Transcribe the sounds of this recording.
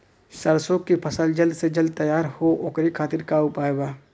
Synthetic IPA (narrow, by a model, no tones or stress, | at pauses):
səɾsoːkːipʰəsəld͡ʒəld̪sed͡ʒəld̪̚t̪əjaːɾhoʔoːkɾikʰaːt̪ɪɾkaʊpaːeɡaː